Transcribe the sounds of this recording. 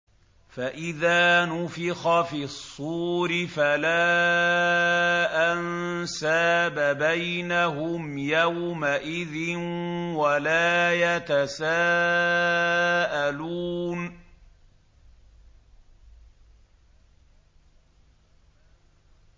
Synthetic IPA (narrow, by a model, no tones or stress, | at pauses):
faʔɪðaːnʊfɪxɑfisˤːuːɾɪfalaː | ʔannsaːbabajnaɦʊmjawmaʔɪðɪnwalaːjat̪asaː | ʔaluːn